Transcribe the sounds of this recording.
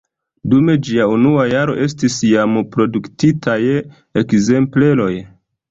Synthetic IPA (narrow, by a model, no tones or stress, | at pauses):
dume̞d͡ʒiaunuajaɾo̞̰ʔe̞s̬tisjampɾo̞duktitʰaj | ekze̞mple̞lo̞j